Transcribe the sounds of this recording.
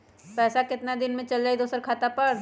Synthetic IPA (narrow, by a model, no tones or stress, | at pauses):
pɛːsakɪt̪nad̪ɪnmẽt͡ʃɐld͡ʒaːid̪oːsəɾkʰaːt̪apɐɾ